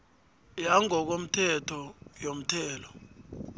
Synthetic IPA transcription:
jaŋɔk̬om̩tʰɛtʰɔjom̩tʰɛːlɔ

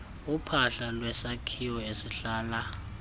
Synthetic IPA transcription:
upʰaɬalwɛsakʰiwɔesiɬaːla

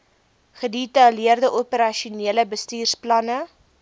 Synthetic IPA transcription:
χəditɐliərdəʔopəɾɐʃuniələbəstiːrsplɐnə

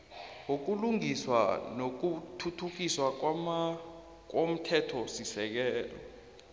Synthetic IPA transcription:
ŋok̬uluŋiswa̰nok̬utʰutʰuk̬iswa | k̬om̩tʰɛtʰɔsisɛk̬ɛːlɔ̰

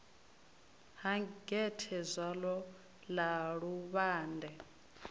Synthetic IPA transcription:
ɦaɡɛtʰɛzʷalɔ | laɺuβaːndʱɛ

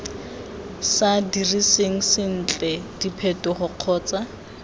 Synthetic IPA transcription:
sadiriseŋ̩sɪn̩ːt͡ɬʼɛd̥ipʰɛtɔχʊq͡χʰɔːt͡sa

